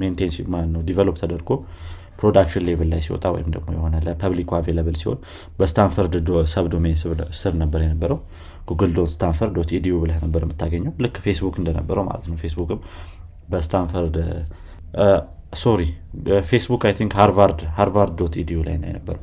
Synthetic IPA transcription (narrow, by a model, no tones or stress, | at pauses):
ment̪ʰensimalt̪nəwd̪ivelop̚t̪ʰəd̪əɾɡo̞ | pʰɾo̞d̪akʃɪnlevəlːajsiwo̰t̪ʼawɔ̰jɪmd̪əɡmo̞jɛho̞nələpʰəβlikʰʷaveləβəlsiho̞̰n | bəst̪ʰanfəɾd̪səβd̪omenssɨɾnəbːəɾjɛnəbːəɾəw | ɡuɡɨld̪onsɨ̥t̪ʰanfəɾot̪id̪ijoβɨlahnəbːəɾjɛmːɨt̪ːaɡəɲːɛwlɨkːfe̞sbukɨnd̪ənə̰bːəɾəwma̰lət̪nəwfe̞sbukɨm | bəst̪ʰanfəɾd̪ | soɾife̞sbukajt̪ʰiŋkhaɾvaɾd̪haɾvaɾd̪ːot̪id̪ijola̰jna̰jɛ̰nəbːəɾəw